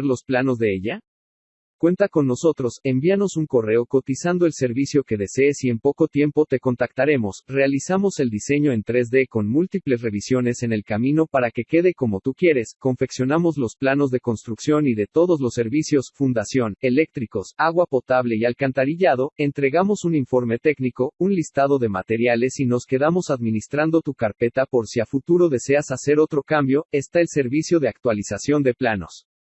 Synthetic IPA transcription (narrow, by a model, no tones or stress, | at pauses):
ɾlo̞splano̞zðe̞eʝa | kwe̞nt̪ako̞nːo̞so̞t̪ɾo̞se̞mbiano̞suŋko̞re̞oko̞t̪isand̪o̞e̞lse̞ɾβisjo̞ke̞ðe̞se̞ːsie̞mpo̞ko̞t̪je̞mpo̞t̪e̞ko̞nt̪akt̪aɾe̞mo̞sre̞alisamo̞se̞ld̪ise̞ɲo̞e̞nt̪ɾe̞zðe̞ko̞nmult̪iple̞s̬re̞βisjo̞ne̞se̞nelkamĩno̞paɾake̞ke̞ð̞e̞ko̞mo̞t̪ukje̞ɾe̞sko̞ɱfe̞ksjo̞namo̞zlo̞splano̞zðe̞ko̞nst̪ɾuksjo̞niðe̞t̪o̞ðo̞zlo̞sːe̞ɾβisjo̞sfund̪asjo̞ne̞le̞k̚t̪ɾiko̞saɣwapo̞t̪aβle̞ialkant̪aɾiʝað̞o̞e̞nt̪ɾe̞ɣamo̞suniɱfo̞ɾme̞t̪e̞kniko̞unlist̪að̞o̞ðe̞ma̰t̪e̞ɾjale̞sino̞ske̞ðamo̞saðmĩnist̪ɾand̪o̞t̪ukaɾpe̞t̪apo̞ɾsiafut̪uɾo̞ðe̞se̞asase̞ɾo̞t̪ɾo̞kambjo̞e̞st̪aelse̞ɾβisjo̞ð̞e̞ak̚t̪walisasjo̞nd̪e̞plano̞̰s